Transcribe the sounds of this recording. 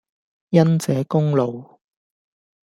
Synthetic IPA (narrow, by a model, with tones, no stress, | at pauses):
jɐ˥nt͡sɛː˨˥kʊ˥ŋlo˨w